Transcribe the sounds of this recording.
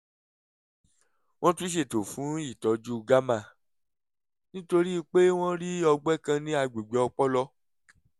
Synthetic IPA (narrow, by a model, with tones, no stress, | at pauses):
w̃ɔ̃˦tũ˦ʃ̬e˦˨to˨fũ˨˦i˦˨tɔ˨˦d͡ʒu˦˨ɡa˦mã˦˨ | nĩ˦to˧ɾi˦i˧k͡pe˦w̃ɔ̃˦ɾi˦ɔ˧ɡ͡bɛ˦kã˧nĩ˦a˧ɡ͡be˨ɡ͡bɛ˨ɔ˧k͡pɔ˦lɔ˦˧